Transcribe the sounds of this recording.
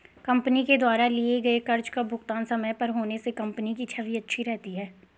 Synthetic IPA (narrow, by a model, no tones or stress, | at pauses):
kɐ̃mpniked̪waːɾalieɡɐekɐɾd͡ʒkabʱʊxt̪aːnsɐməjpɐɾɦoːnesekɐ̃mpənikit͡ʃʰabʱiɐtːʃʰiɾɛɦt̪iɦɛː